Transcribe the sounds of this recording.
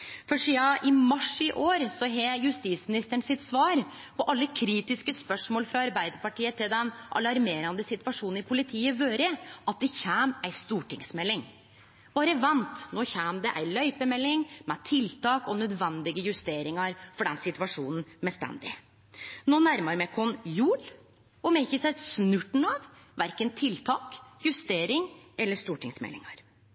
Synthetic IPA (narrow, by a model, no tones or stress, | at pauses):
fɔʂiːɑʔɪmɑʂɪʔoːɾsɔɦeːɾjʉst̪iːsmɪnɪst̪əɳsɪt̪sʋɑːɾ | pʰɔʔɑlːəkʰɾiːt̪ɪskəspœʂmoːlfɾɑɑɾbæɪd̪əɾpɑʈiːət̪ɪld̪ɛnʔɑ̰lɑɾmeːɾɑnd̪əsɪt̪ʋɑʂuːnn̩ɪpʰʊlɪt̪ʰiːəʋøːɾəʔɑt̪̚d̪ɛçæːmæɪst̪uːʈɪŋsmɛlːɪŋ | b̥ɑːɾəʋɛnt̪noːçæːmd̪ɛʔæɪlœʏpəmɛlːɪŋmɛt̪ʰɪlt̪ʰɑːkɔnœd̪ʋɛnd̪ɪɡəjʉst̪eːɾɪŋɑɾfɔɖɛnsɪt̪ʋɑʂuːnn̩mɛst̪ɛ̰nd̪ɪ̰ | noːnæɾməɾmɛkʰɔnjʉːl | ɔmɛçəsæsnʉʈn̩ɑʋ | ʋæɾkənt̪ʰɪlt̪ʰɑːkjʉst̪eːɾɪŋɛlːəʂt̪uːʈʰɪŋsmɛ̰lːɪ̰ŋɑɾ